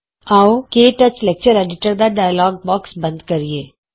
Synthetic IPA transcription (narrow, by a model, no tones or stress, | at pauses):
aːokeːʈɐt͡ʃlek̚t͡ʃəɾɛːɖɪʈəɾd̪aɖaːjəlɔːɡ̚bɔːksbɐ̃nd̪kɐɾieː